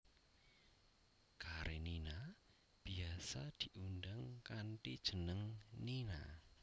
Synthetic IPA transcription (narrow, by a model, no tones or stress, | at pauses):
kaɾʔenina | b̥iasad̪̥i̤ʔundaŋkanʈid̥ʒ̥ənəŋnina̰